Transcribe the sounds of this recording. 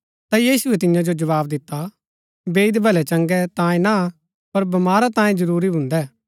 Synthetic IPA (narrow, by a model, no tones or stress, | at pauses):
t̪ajiːsʊɛt̪ɪjãd͡ʒod͡ʒɐʋaːbd̪ɪt̪ːa | beːɪd̪bʱɐlɛt͡ʃɐ̃ŋɡɛt̪ãːẽna | pɐɾbɐmaːɾat̪ãːẽd͡ʒɐɾuːɾibʱʊ̃nd̪ɛː